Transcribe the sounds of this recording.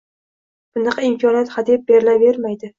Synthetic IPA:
b̥ʊnɨqɪmkʰɒnijat̪χad̪ip̚beɾɪlave̞ɾmajd̪ɪ

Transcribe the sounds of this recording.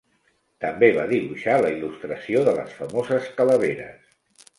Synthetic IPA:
t̪əmbeβa̰ðiβuʃaləilust̪ɾəsioðələ̰sfəmozəskələβ̞eɾə̰s

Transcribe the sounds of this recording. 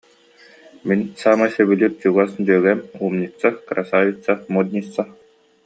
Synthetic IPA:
minsaːmasœbyliɾt͡ɕuɡasd̪yœɡɛmumnʲikt͡sːakɾasaːvʲit͡sːamud̪nʲit͡sːa

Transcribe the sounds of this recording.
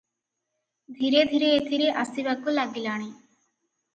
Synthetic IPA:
d̪ʱiːɾeːd̪ʱiːɾeet̪ʰiɾeːʔəsiʋakolaːɡilaːɽ̃iː

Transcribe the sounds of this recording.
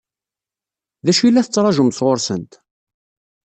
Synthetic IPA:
ðæʃilːæθət͡sːɾˤɑʒəmsʁoɾsə̰nt̪

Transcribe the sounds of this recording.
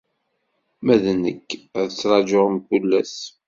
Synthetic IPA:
mæðnəkːæðət͡sːɾˤɑd͡ʒoʁəmkulːæs

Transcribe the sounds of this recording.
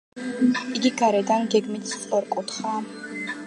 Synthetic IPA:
iɡiɡaɾɛdanɡɛɡmit̪ʰst͡sʼəɾkʼut̪χa

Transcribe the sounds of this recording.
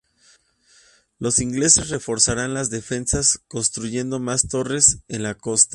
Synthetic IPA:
lo̞siŋɡle̞se̞sre̞fo̞ɾsaɾanlazðe̞fe̞nsasko̞nst̪ɾuʝe̞nd̪o̞mast̪o̞re̞se̞nlako̞st̪a

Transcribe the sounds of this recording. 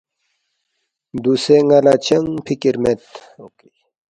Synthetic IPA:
d̪useŋalat͡ɕɐŋpʰikiɾmet̪oki

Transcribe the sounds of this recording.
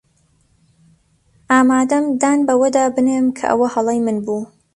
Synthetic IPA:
ʔaːmaːd̪ɐmd̪aːnbɐwɐd̪aːbɨneːmkʰɐ̰ʔɐ̰wɐhɐlˠejmɨnbuː

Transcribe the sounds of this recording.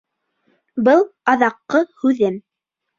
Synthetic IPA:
bɤlˠɑðɑqːɤhʉðɘm

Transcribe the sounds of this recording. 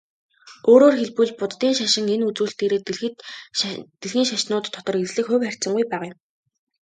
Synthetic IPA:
oːɾoːrxeɮpuɮpʊt̪t̪iːŋʃaʃɪ̆ŋenut͡suːɬt̪eːɾeːt̪ | d̪̥eɮxiːŋʃaʃnʊːt̪ʰːɔt̪ɞ̆reɮɘ̆kxʊwʲχær̥ʲt͡sə̆ŋɡujpæːʁajɪ̆m

